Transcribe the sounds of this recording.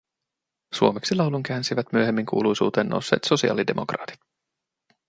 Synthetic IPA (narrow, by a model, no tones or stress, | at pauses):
suo̞meksilɑwluŋkæːnsiʋæt̪myøɦemːiŋkṵːlujsṵːt̪e̞ːnːʔo̰wsːe̞ːt̪so̞siɑ̰ːlide̞mʔo̞̰krɑ̰ːt̪i̥t̪